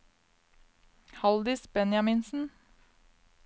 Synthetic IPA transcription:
hɑld̪ɪsbɛnjɑmɪnsn̩

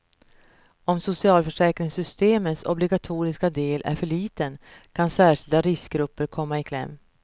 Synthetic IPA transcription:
ɔmsʊsɪɑːlfœʂɛːkɾɪŋsʏst̪eːməsɔ̰blɪɡat̪ʰuːɾɪskad̪eːlʔæ̰ɾfœɭiːt̪ənkʰansæːʂɪld̪aɾɪsk̚ɡɾɵpːəɾkʰɔmːaɪkʰlɛ̰mː

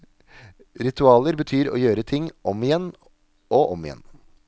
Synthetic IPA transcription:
ɾɪt̪ʰʉɑːləɾbət̪ʰyːɾo̰ːjøːɾət̪ʰɪŋɔmɪjɛnː | oːʔɔmɪjɛ̰n

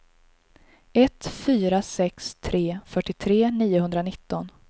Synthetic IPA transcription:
ɛt̪fyːɾasɛkst̪ʰɾeːfœʈːɪt̪ʰɾeːniːʊɦɵnd̪ɾanɪt̪ːɔn

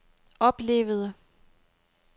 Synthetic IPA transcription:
ɒ̽b̥le̝̰ːʊð̞ˠə

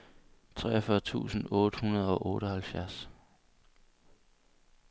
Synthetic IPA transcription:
t͡sʰʁɛ̰ːɒfɶːɐt͡sʰṵːsn̩ɔːd̥əhunɐð̞̩ˠɒ̽ʔɔ̽ːɾ̥əhælfjæɐ̰s

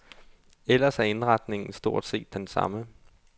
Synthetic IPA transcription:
el̰ɐsæɐe̝nʁɑd̥ne̝ŋn̩sd̥o̝ɐ̰d̥se̝̰ːd̥ːensɑ̈mə

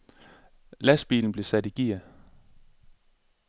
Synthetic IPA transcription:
læsb̥ḭːln̩b̥le̝sæd̥iɡ̥iɐ

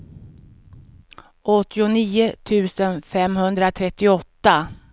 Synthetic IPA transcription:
ʔɔt̪ːɪʊniːʊt̪ʰʉ̟ːsənfɛmhɵnd̪ɾat̪ʰɾɛt̪ːɪɔt̪ːa

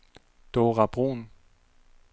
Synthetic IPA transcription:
d̪̥oːʁab̥ʁo̰ːn

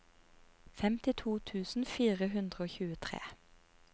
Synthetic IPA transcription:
fɛmt̪ɪt̪ʰuːt̪ʰʉːsn̩fiːʁəɦʉnd̪ʁəoːçʉːət̪ʰʁḛː

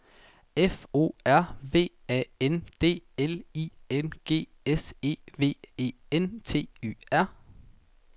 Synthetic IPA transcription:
efo̝̰ːæɐ̰ʋe̝̰ːɛ̰end̥e̝̰ːelienɡ̥e̝̰ː | ese̝̰ːʋe̝̰ːe̝̰ː | ent͡sʰe̝̰ːy̰ːæɐ̰

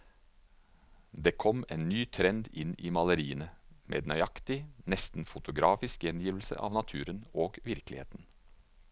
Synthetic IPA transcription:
d̪eːkʰɔmeːnːyːt̪ʰɾɛnd̪ɪniːmɑləɾiːənəmʔḛːd̪nœʏɑkt̪ɪnɛst̪n̩fʊt̪ʊɡɾɑːfɪskjɛnjiːʋl̩sə̰ʔɑ̰ːʋnɑt̪ʰʉːɾənoːɡʋɪɾklɪ̰hḛːt̪n̩

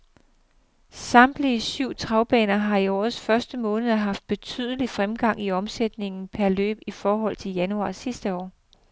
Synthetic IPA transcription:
sɑ̈md̥liəsyʊ̰t͡sʰʁɑ̈ʊb̥ɛ̰ːnɐɦɑ̈iɒ̰ːð̩ˠsfɶɐsd̥əmɔ̽ːnəðˠɦɑ̈fd̥̚b̥e̝t͡sʰy̰ð̞ˠəlifʁamɡ̥ɑ̈ŋ̰iɒ̽msed̥ne̝ŋn̩pʰæɐlø̰ːb̥ifɒːɦɒ̽l̰t͡sʰe̝ljænuɑ̰̈ːsisd̥əɒ̰ː

